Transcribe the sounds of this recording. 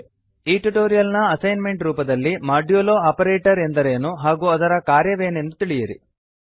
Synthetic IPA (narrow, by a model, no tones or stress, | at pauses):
iːʈuʈoːɾijɐlnɐɐsɐjnme̞ɳʈɾuːpɐd̪ɐlːimaːɾɖijoːloːaːpɐɾeːʈɐɾend̪ɐɾeːnuɦaːɡuɐd̪ɐɾɐkaːɾjɐʋeːne̞nd̪ut̪iɭijɐɾḭ